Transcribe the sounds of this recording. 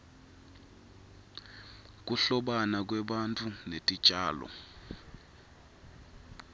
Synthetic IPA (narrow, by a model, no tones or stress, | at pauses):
k̬ʼuɬɔɓanak̬wɛɓantʰʼunetʼi̥t͡ʃʼaːlɔ̰